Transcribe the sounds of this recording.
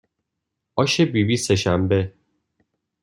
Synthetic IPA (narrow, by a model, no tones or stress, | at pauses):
ʔɒːʃe̞bibiːse̞ʃæmbe̞